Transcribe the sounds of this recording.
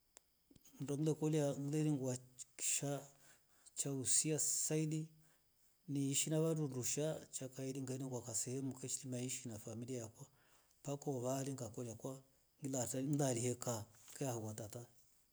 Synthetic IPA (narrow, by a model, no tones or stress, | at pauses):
n̩dɔŋlɛkɔliaŋilɛɾiŋɡwaki̥ʃa | t͡ʃausiasaili | niːʃinaβadunduʃat͡ʃakailiŋɡaniŋɡwakasɛhɛmukɛt͡ʃilimaiʃinafamiliajakwa | pakɔβaliŋɡakɔliakwa | ŋilaŋilalihɛkaŋkɛahakwatata